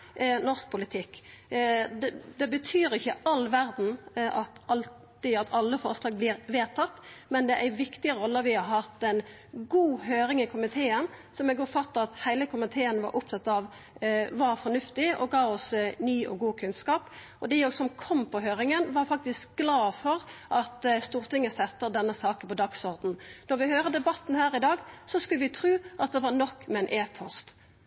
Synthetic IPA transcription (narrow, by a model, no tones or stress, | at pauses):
nɔɾsk̚pʰʊlɪt̪ʰɪkː | d̪d̪ɛbət̪ʰyːɾɪçːəʔɑlːʋæɾd̪n̩ʔɑt̪ɑl | ɪɑt̪ʰɑlːəfɔɾslɑːɡ̚blɪːɾʋeːt̪ʰɑt̪ːmɛnd̪ɛʔæɪʋɪkt̪ɪəɾɔlːəʋɪhɑɾɦɑt̪ːɛn | ɡuːɦøːɾɪŋɪkʰʊmɪt̪ʰeːənsɔmɛɡɔfɑt̪ːəɑt̪hæɪləkʰʊmɪt̪ʰeːənʋɑ̰ɾʔʊpt̪ɑt̪ːɑʋ | ʋɑɾfɔnʉft̪ɪɔ̰ɡɑːɔsnyːʔɔ̰ɡuːkʰʉnskɑːp | ɔd̪ɪoːsɔmkʰɔmːpɔɦøːɾɪŋənʋɑɾfɑk̚t̪ɪsk̚ɡlɑːfɔɾʔɑt̪st̪uːʁt̪ɪŋəsɛt̪ːəɾd̪ɛnːəsɑːkənpɔd̪ɑɡsɔɾd̪n̩nɔɾʋɪhøːɾəd̪ɛbɑt̪ːn̩hæːɾɪd̪ɑːɡsɔskʉləʋɪt̪ʰɾʉːʔɑt̪̚d̪ɛʋɑɾnɔkːmɛɛnʔeːpʰɔst̪